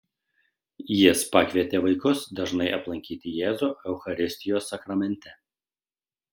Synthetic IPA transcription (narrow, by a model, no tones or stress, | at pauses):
jɪspɑkʋʲiɛt̪ʲeʋɐɪkʊsd̪ɐʒnɐɪʔɐplˠɐŋʲkʲiːt̪ʲɪjɛːzuɛʊxɐɾʲɪsʲt̪ʲɪjoːsːɐkɾɐmʲɛnʲˑt̪ʲɛ